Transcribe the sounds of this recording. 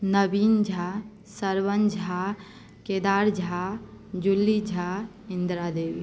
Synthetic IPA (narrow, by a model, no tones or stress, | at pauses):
nəbiːnd͡ʒʱa | səɾʋənd͡ʒʱa | ked̪aːɾd͡ʒʱad͡ʒulːid͡ʒʱa | ɪ̃nd̪ɾad̪eːwi